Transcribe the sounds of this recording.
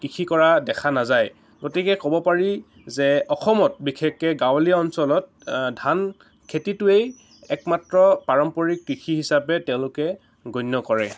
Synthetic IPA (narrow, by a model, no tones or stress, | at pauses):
kikʰikɔɹadɛkʰanazaj | ɡotikɛkɔbɔpaɹi | zɛɔxɔmɔt̚bikʰekːɛɡawliaɔnsɔlɔt̚ | dʱan | kʰetitʊej | ɛkmatɹɔpaɹɔmpɔɹikːikʰiɦisapɛtɛʊ̃lʊkɛ | ɡonːɔkɔɹɛ